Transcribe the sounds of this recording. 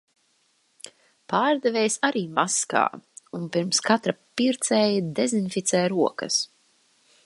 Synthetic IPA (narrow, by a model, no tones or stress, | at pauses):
paːɾd̪ɛvɛːjsaɾiːmaska̰ːunpiɾmskat̪ɾapiɾt̪sɛːjd̪ezinfit̪sɛːjɾuɔkɐs